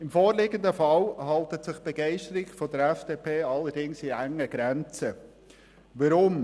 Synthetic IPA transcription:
ɪmfoːɾlɪɡəndəfɑlhɑltətsɪχb̥ɛɡɛɪʃtəɾɪɡfɔdəɾɛfd̥eːpʰeːɑlːəɾdɪŋsiæŋːəɡ̥ɾɛnt͡sə | ʋɑɾʊm

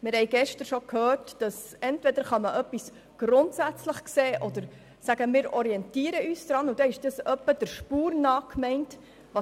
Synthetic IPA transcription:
mɪːɾhɛɪɡ̥ɛʃtəɾʃokhøːɾtd̥ɑsɛntvʋɛdəɾχɑməʔœpːis | ɡ̥ɾʊntsæt͡sləχkseːʔɔd̥̪əɾ | sæɡ̥əmɪːɾɔɾiɛntiːəɾəʔyːsd̪ɾɑːnud̥̪ɛɪʃd̥ɑsœpːəd̥əɾʃpuːɾnɑːkmɛɪnt | ʋɑ

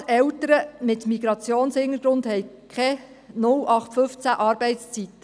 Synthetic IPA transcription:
sɛltəɾəmɪt̪miɡɾɑt͡sjoːnshɪŋəɡ̥ɾʊnd̪hɛj | kʰɛ | nʊlɑχt̪fɵft͡sæʔɑːɾbɛɪtst͡sit̪ːə

